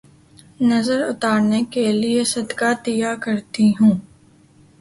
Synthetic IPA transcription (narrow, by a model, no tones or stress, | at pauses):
nɐzəɾʊt̪aːɾnekeliesɐd̪kat̪ijakɐɾt̪iɦũː